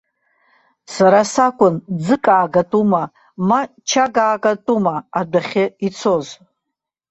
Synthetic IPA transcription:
saɾasakʷʼʊnd͡zɨkʼaːɡatʼuma | ma | t͡ʃʰaɡaːɡʼatʼumaadaχʲɪit͡sʰoz

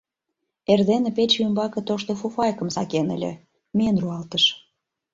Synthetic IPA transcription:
erd̪enepet͡ɕymbɑkɤ̆t̪oʃt̪ofufɑjkəmsɑkenə̰lʲḛ | menruɑlt̪əʃ

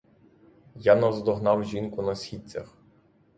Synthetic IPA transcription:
janɔzd̪ɔɦnɑwʒʲinkʊnɐsʲxʲit͡sʲɐ̰x

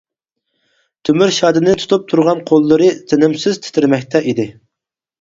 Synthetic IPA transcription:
t̪ʰømyɾʃɑːd̪ɨnɨt̪ʰu̥t̪ʰup̚t̪ʰuɾʁɑnqʰolˠːɨɾɨzʰɪnɪmsɪz̥t̪ʰɪ̥t̪ʰɪɾmɛk̚ʲt̪ʰɛʔid̪ɪ

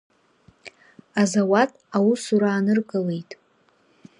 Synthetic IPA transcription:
azawatʼawusuɾaːnɨrkʼɨle̞jtʼ

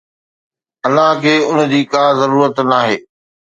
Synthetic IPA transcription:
ɐlːaɦkʰeːʊnd͡ʑiːkaːzɐɾuːɾət̪naːɦeː

